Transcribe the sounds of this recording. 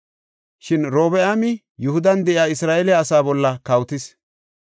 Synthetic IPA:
ʃɪnɾo̞ːbɛʔamɪ | jʊhʊd̪ɐnd̪ɛʔɪjaːɪsɾaːʔɛljːsaːbɔlːɐkɐwt̪ɪs

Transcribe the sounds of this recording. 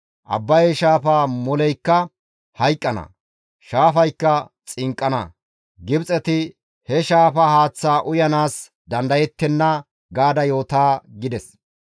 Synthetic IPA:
ʔɐ̰bːɐjɛʃaːfaːmɔlɛjkːɐ | hɐjkʼːɐnɐ̰ | ʃaːfɐjkːɐt͡sʼɪŋkʼːɐnɐ̰ | ɡɪbt͡sʼɛt̪ɪ | hɛʃaːfɐhaːt͡sːaːʔʊjɐnaːs | d̪ɐnd̪ɐjɛt̪ːɛnːɐ | ɡaːd̪ɐjo̞ːt̪aːɡɪd̪ɛs

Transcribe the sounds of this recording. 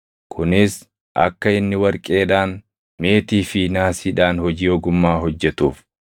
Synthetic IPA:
kʰʊnɪs | ʔɐ̰kːɐɪnːɪwɐɾkʼe̞ːᶑaːn | me̞ːt̪iːfinaːsiːᶑaːnhɔd͡ʒiːɔɡʊmːaːɦɔd͡ʒːɛt̪uːf

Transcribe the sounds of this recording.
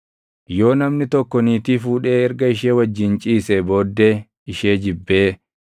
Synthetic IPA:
jo̞ːnɐmnɪt̪ɔkːɔniːt̪iːfuːᶑe̞ːɛɾɡɐɪʃeːwɐd͡ʒːɪnt͡ʃʼiːsebo̞ːd̪ːe | ɪʃeːd͡ʒɪbːeː

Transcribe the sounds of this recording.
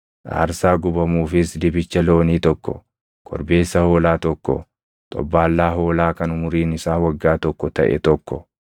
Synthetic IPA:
ʔa̰ːɾsaːɡʊbɐmuːfɪsd̪ɪbɪt͡ʃːɐlo̞ːniːt̪ɔkːɔ̰ | kʰʼɔ̰ɾbe̞ːsːɐho̞ːlaːt̪ɔkːɔ̰ | t̪ʼɔ̰bːaːlːaːɦo̞ːlaːkɐnʊmʊɾiːnɪsaːwɐɡːaːt̪ɔkːɔt̪ɐ̰ʔɛ̰t̪ɔkːɔ

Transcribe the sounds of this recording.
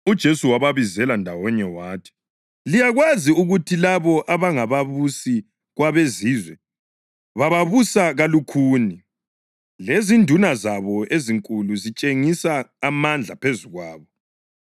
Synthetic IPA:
ud̥ʒ̥ʱesuwaβaβizɛlandʱawɔɲɛwaːtʰi̥ | lijaɣwaziuɣutʰilaβɔʔaβaŋaβaβusi | ɣwaβeziːzwɛ | βaβaβusaɣalukʰuːni | lezindʱunazaβɔeziŋkʼuluzit͡ʃʼeŋisaːmand͡ɮʱapʰezuɣwaːβɔ

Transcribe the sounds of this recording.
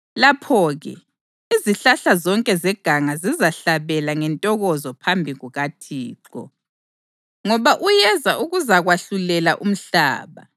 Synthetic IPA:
lapʰɔɣɛ̰ | iziɬaɬazɔŋkʼɛzɛɡ̥ʱaŋazizaɬaβɛlaŋɛntʼɔɣɔzɔpʰambʱiɣuɣatʰiːǃɔ̰ | ŋɔβaʔujɛzaʔuɣuzaɣwaɬulɛlaʔum̩ɬa̰ːβa̰

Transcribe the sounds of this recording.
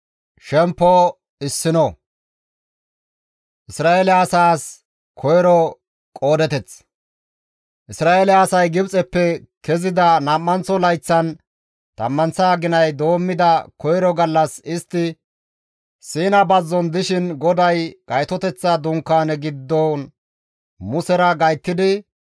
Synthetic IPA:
ʃɛmpːɔ | ɪsːɪnɔ | ʔɪsɾaːɛlːsaːs | kʰɔjɾɔ | kʼo̞ːd̪ɛt̪ɛt͡s | ʔɪsɾaːelɪːsɐjɡɪbt͡sʼɛpːɛkɛzɪd̪ɐnɐmːɐnt͡sːɔlɐjt͡sːɐn | t̪ɐ̰mːɐnt͡sːaːɡɪnɐjd̪o̞ːmːɪd̪ɐkɔjɾɔɡɐlːɐsɪst̪ːɪ | siːnɐbɐzːɔnd̪ɪʃɪnɡɔd̪ɐjɡ̥ɐjt̪ɔt̪ɛt͡sːɐd̪ʊŋkːaːnɛɡɪd̪ːɔn | mʊsɛɾɐɡɐjt̪ːɪd̪ɪ

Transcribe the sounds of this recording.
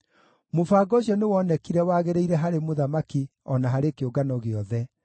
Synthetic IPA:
mofaːɡɔʃɔnewɔnɛkiɾɛwaːɣeɾeiɾɛɦaɾemoðamakiɔnaɦaɾekeoɡanɔɣeɔðɛ

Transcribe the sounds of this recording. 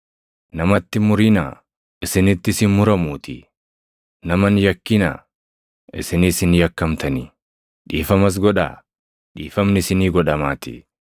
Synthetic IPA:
nɐmɐt̪ːɪmʊɾɪna̰ | ʔɪsɪnɪt̪ːɪsɪnmʊɾɐmuːt̪ɪ̰ | nɐmɐnjɐkːɪnɐ̰ | ʔɪ̰sɪnisɪnjɐkːɐmt̪ɐnɪ | ᶑiːfɐmɐs̬ɡɔᶑa̰ː | ᶑiːfɐmnɪɪsɪniːɡɔᶑɐmaːt̪ɪ̰

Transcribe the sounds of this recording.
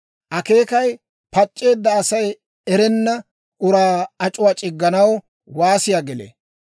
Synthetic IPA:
ʔɐke̞ːkɐj | pɐt͡ʃʼːe̞ːd̪ːɐːsɐj | ɛɾɛnːɐ | ʔʊɾaːɐt͡ʃʼʊwaːt͡ʃʼɪɡːɐnɐwɔ | waːsɪjaɡɛlḛ

